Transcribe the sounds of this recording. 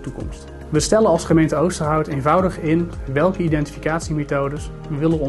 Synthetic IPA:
tukɔ̰mst | ʋəstɛləɑlˠsχəmejntəowstərɦʌwtejnvʌwdəχɪnʋɛlˠkəidɛnti̥fi̥kaːtsimetowdəs | ʋəʋɪlənɔ

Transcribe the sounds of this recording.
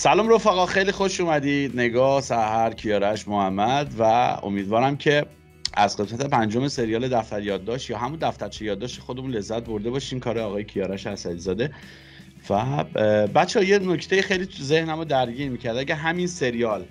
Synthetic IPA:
sælɒːmɾo̞fæɣɒːxejliːxo̞ʃumæd̪iːd̪ne̞ɡɒːhsæhæɾcʰijɒːɾæʃmohæmːæd̪væo̰miːd̪vɒːɾæmcʰe̞ | æzɡe̞smæt̪ʰe̞pʰænd͡ʒomese̞ɾijɒːled̪æft̪æɾjɒːd̪ːɒːʃt̪jɒːɦæmund̪æft̪æɾt͡ʃʰejɒːd̪ːɒːʃt̪exo̞d̪emunle̞zːæt̪̚bo̞ɾd̪e̞bɒːʃiːmkʰɒːɾeɒːɣɒːjecʰijɒːɾæʃæsæd̪izɒːd̪e̞ | væbæt̪t͡ʃʰːehɒje̞noct̪ʰejixejliːt̪ʰuze̞hnæmod̪æɾɟiːɾmiːcʰæɾd̪æɡæɦæminse̞ɾijɒːl

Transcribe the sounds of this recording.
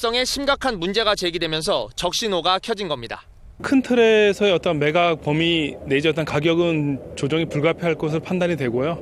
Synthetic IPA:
s͈ʌŋe̞ɕʰimɡakʰanmund͡ʑe̞ɡat͡ɕe̞ɡidwe̞mjʌns̬ʰʌt͡ɕʌk̚ɕ͈inoɡakʰjʌd͡ʑinɡʌmɲida̰ | kʰɯntʰɯɾesʰʌeʌt͈ʌnme̞ɡak̚pʌmine̞d͡ʑʌt͈ankaɡjʌɡɯnt͡ɕod͡ʑʌŋipuɭɡapʰjiɦaɭk͈osʰɯɭopʰandaɲidwe̞ɡojo

